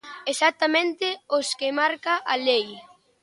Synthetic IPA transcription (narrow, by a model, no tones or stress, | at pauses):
esat̪amẽnt̪ɪoskɪmaɾkaʔalej